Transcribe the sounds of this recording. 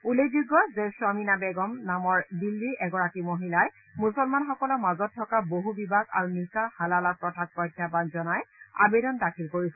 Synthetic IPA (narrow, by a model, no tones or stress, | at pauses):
ulezuɡːɔzeswaminabɛɡɔmnamɔɹdilːiʔɛɡɔɹakimoɦilaj | musɔlmanxɔkɔlɔmazɔtʰːɔkaboɦubibʱaɡa̰ɹunisahalalapɹɔtʰak̚pɔjkʰːjabanzɔnaja̰bedɔndakʰilkoɹisɛ